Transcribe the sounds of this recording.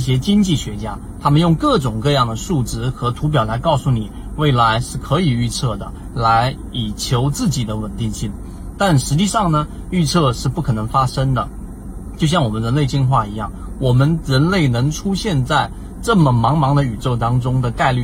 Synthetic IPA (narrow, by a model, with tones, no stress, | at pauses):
ɕjɛ˥t͡ɕi˥ŋt͡ɕi˥˩ɕɥɛ˧˥t͡ɕja˥ | t̪ʰa˥mə˨njʊ˥˧ŋkɤ˥˩ʈ͡ʂʊ˨˩ŋkɤ˥˧jɑ˥˩ŋd̪ə˩ʂu˥˩ʈ͡ʂɻ̩˥xɤ˧˥t̪ʰu˧˥p̬jɑ˨˩ʊla˧˥ɪkɑ˥˧ʊsu˥˩ni˨˩ | we˥˩ɪla˧˥ɪʂɻ̩˥˩kʰɤ˧˥i˨˩y˥˧t͡sʰɤ˥˩d̪ə˩ | la˧˥ɪ | i˨˩t͡ɕʰjo˧˥ʊt͡sɹ̩˥˩t͡ɕi˨˩d̪ə˦wə˨˩nt̪i˥˧ŋɕi˥˩ŋ | t̪a˥˩nʂɻ̩˧˥t͡ɕi˥˧ʂɑ˥˩ŋnə˩ | y˥˧t͡sʰɤ˥˧ʂɻ̩˥˧pu˥˩kʰɤ˨˩nɤ˧˥ŋfa˥ʂə˥ŋd̪ə˨˩ | t͡ɕjo˥˧ʊɕjɑ˥˩ŋwɔ˨˩mə˦nɻə˧˥nle˥˧ɪt͡ɕi˥˧nxwa˥˩i˧˥jɑ̰˥˩ŋ | wɔ˨˩mə˦nɻə˧˥nle˥˩ɪnɤ˧˥ŋʈ͡ʂʰu˥ɕjɛ˥˧nt͡sa˥˧ɪ | ʈ͡ʂɤ˥˩mə˩mɑ˧˥ŋmɑ˧˥ŋd̪ə˧y˨˩ʈ͡ʂo˥˩ʊt̪ɑ˥ŋʈ͡ʂʊ˥ŋd̪ə˨t̪a˥˧ɪly˥˩